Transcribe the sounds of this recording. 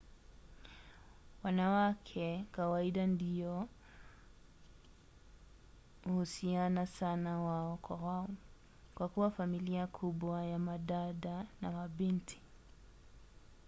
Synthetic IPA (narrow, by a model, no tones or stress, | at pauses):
wanawakʰɛkawaiɗandiɔ | uhusianasanawaɔkwa̰waɔ | kwakuwafamiliakʰuɓwajamaɗaɗanamaɓintʰi̥